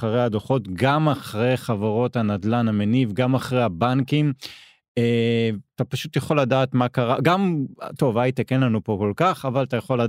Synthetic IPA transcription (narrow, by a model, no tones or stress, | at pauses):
aʁejhad̪oχo̞tɡamaχʁejχavaʁo̞tanadlanamenivɡamaχʁeabankim | eat̪apaʃut̪jaχo̞lːadaːt̪makaʁaɡamto̞vajit̪ekenlanupo̞ko̞lkaχavalat̪ajaχo̞la